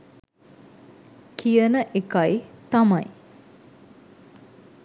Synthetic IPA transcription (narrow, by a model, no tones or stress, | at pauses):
kijənəʔekajt̪ɐmaj